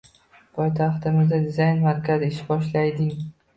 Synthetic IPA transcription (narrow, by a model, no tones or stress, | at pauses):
pʰɒjt̪ʰɑχt̪ɪmɪzd̪ad̪ɪzajnmaɾkʲʰazɪɪʃbɒʃlajd̪ɪŋ